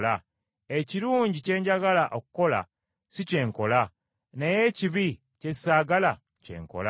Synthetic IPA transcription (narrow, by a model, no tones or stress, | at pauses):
la | eciɾuːɲɟice̞ːɲɟaɡalaʔokuko̞la̰ | sice̞ːŋko̞la | neje̞ciβi | cei̥saːɡala | ce̞̰ːŋko̞̰la